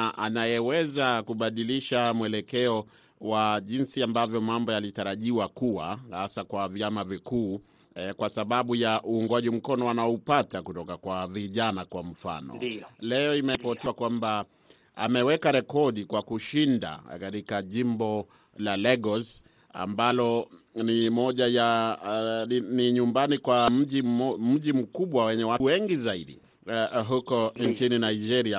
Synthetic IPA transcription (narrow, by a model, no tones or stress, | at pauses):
ʔa̰najɛwɛzakuɓaɗiliʃamwɛlɛkɛɔ | waʄinsiambavjɔmambɔjalitaɾaʄiwakuwa̰hasakwavjamavikuː | kwasaɓaɓujaʔuːŋɡwaʄim̩kɔnɔanaɔupatakutɔkakwaviʄanakwam̩fa̰nɔ̰lɛɔimɛpɔtɛakwamba | a̰mɛwɛkaɾɛkɔɗikwakuʃinda̰katikaʄimbɔ | lalɛɡɔs | a̰mbalɔ | nimɔʄaja | iniɲumbanikwam̩ʄim̩ʄim̩kuɓwawɛɲɛwawɛŋɡizaiɗḭ | ɦukɔnt͡ʃininaid͡ʒɛɾia